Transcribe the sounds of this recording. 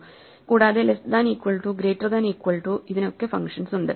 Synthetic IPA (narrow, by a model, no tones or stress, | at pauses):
kuːɽaːðelesd̪aːniːkʋɐɭʈuɡɾeːtːɐrd̪aːniːkwɐɭʈuiðino̞kːe̞fɐŋʂɐnsuɳɖɨ